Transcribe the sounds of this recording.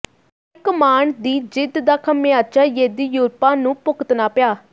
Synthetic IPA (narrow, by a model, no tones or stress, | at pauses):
ɪkmaːɳd̪iːd͡ʒɪd̪d̪aːkʰəmẽaːt͡ʃaːjeːd̪iːjuːɾpãːnũːpʊkət̪naːpɪjaː